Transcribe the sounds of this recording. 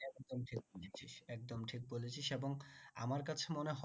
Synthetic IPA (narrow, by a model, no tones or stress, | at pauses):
ɛd̪omʈʰik̚bolet͡ɕʰiʃɛk̚d̪omʈʰik̚bolet͡ɕʰiʃeboŋa̰maɾkat͡ɕʰemoneɦɔ